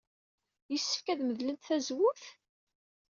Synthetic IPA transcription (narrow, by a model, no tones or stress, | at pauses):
jəsːə̥fkæðməðlənt̪θæzwʊθ